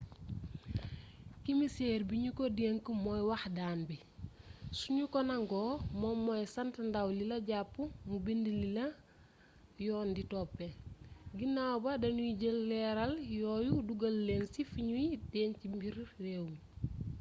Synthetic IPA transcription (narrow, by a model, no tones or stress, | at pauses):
kimisɛːrbiɲukodieŋkəmɔjwɐxdaːnbi | suɲukɔnɐŋɡɔːmɔmːɔjsɐntndɐwlilɐɟapːumubindililɐ | jɔːnditɔpːɛɡinawbɐdɐnuiɟəlːɛɾɐljɔːjuduɡɐlːeːnsifiɲujidɛːncimbirːeːw